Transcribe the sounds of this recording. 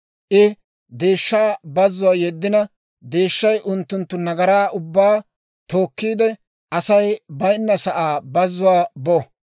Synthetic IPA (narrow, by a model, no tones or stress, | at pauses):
ʔɪ | d̪e̞ːʃːaːbɐzːʊwaːjɛd̪ːɪnɐ | d̪e̞ːʃːɐjʔʊnt̪ːʊnt̪ːʊnɐɡɐɾaːʔʊbːaː | t̪o̞ːkːiːd̪ɛ | ʔɐsɐjbɐjnːɐsɐʔaːbɐzːʊwaːbo